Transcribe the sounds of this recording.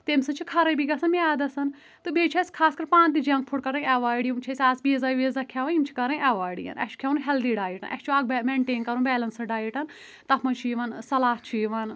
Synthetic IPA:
t̪emsɐnt͡ʃʰikʰɐɾɐjbiɡɐsɐnmiaːd̪ɐsɐn | t̪ɨbʱeːd͡ʒt͡ʃʰɐsʲkʰaːskɐɾpãːnt̪id͡ʒɐ̃ŋk̚pʰuʈkɐɾɐ̃nʲɛʋaːɖimt͡ʃʰɐsʲaːsbizaːʋiːzakʰjaːʋɐnimt͡ʃʰi̥kɐɾɐ̃nʲɛʋaːjɖḭjɐ̰nɐ̰t͡ʃʰkʰjaːunɦɛld̪iɖaːjiʈɐ̰nʔɐ̰kt͡ʃʰuaːɡbmẽɳʈeːnkɐɾũnbɛːlɐnsɐɖaːjiʈɐn | t̪ɐpʰmɐnt͡ʃʰiiːʋɐːnsɐlaːht͡ʃʰiːʋɐn

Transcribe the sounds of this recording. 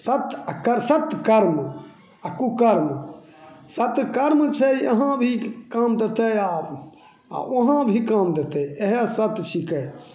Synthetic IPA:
sət̪kəɾsət̪kəɾm | akukəɾm | sət̪kəɾmt͡ʃʰəjəɦãbʱikamd̪et̪eja | a̰oɦãbʱikamd̪et̪eeɦesət̪t͡ʃʰikəj

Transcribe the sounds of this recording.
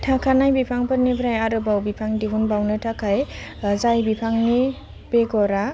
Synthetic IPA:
tʰakʰanajbipʰaŋpʰɯɾnebɾajaɾɯbawbipʰaŋdiɦunbawnɯtʰakʰajzajbipʰaŋni | b̥eɡɔɾa

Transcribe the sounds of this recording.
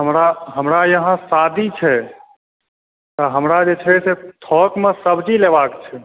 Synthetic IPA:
ɦəmɾaɦəmɾajəɦãsad̪ʱit͡ʃʰɛ | t̪ɔɦəmɾad͡ʒet͡ʃʰɛset̪ʰɔkmesəbd͡ʒilebakt͡ʃʰɛ

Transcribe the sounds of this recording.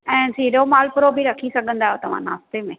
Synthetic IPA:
ɛ̃ːd͡ʑʰʱiːɗoːmaːlpʊɾobʱiɾɐkʰisɐɡʱə̃nd̪aːɦjot̪ɐʋ̤ã̰na̰ːst̪emẽː

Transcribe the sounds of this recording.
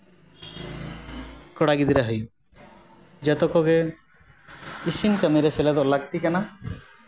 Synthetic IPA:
kɔɽaɡid̪iɾaɦɔj | d͡ʒɛt̪ɔkɔɡe | isinkameɾeselad̪ɔʔlaɡ̚t̪ikana

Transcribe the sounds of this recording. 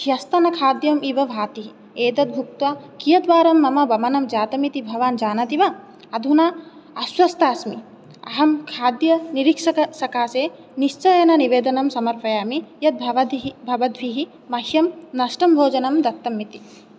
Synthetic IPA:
ʃjɐst̪ɐnɐkʰaːd̪jɐmiːʋɐʋʱaːt̪iɦi | eːd̪ɐt̪̚bʱuk̚t̪ʋaːkijɐd̪ʋaːɾɐmːɐmɐbɐmɐnɐmd͡ʒaːt̪ɐmit̪ibʱɐʋaːnd͡ʒaːnɐt̪iʋɐ | ɐd̪ʱunaː | ɐswɐst̪aːsmi | ɐ̰ɦɐmkʰaːd̪jɐniɾikʂɐɐʃɐkaːseː | niʃt͡ʃɐjɐnɐniʋeːd̪ɐnɐmsɐmɐɾpɐjaːmijɐt̪̚bʱɐʋɐd̪bʱɐʋɐd̪ʱʋiɦi | mɐhjɐmnɐʃʈɐmbʱoːd͡ʒɐnɐmd̪ɐt̪ːɐmːit̪i̥

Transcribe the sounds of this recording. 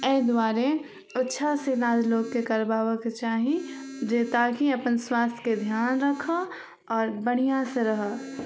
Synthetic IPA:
ɛd̪waːɾe | ɪtːʃʰaselaːd͡ʒloːɡ̚kekəɾbaːʋəket͡ʃaːɦĩd͡ʒeːt̪akiɐpənswaːst̪ʰjked̪ʱjaːnɾəkʰə | ɔːɾbəɽ̃ijãseɾɐɦə

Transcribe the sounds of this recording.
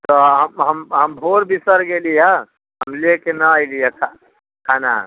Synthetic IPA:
t̪ɔɦəmɦəmɦəmbʱoɾbisəɾɡelijə | ɦəmlekenəːjlijəkʰa | kʰana̰

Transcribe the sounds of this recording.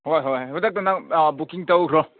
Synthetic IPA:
hojɦojɦudak̚tanaŋbukiŋtawɾɔ

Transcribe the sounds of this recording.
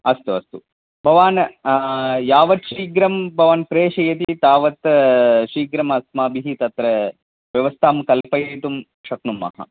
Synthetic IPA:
ɐst̪uɐst̪u | bʱɐʋaːn | jaːʋɐt̪ʃiːɡɾɐmbʱɐʋaːnpɾeːʂɐjɐt̪it̪aːʋɐt̪ʃiːɡɾɐmɐsmaːbiɦit̪ɐt̪ɾɐ | ʋjɐʋɐst̪ʰaːmkɐlpɐjeːt̪um | ʃɐknumɐ̰ɦɐ̰

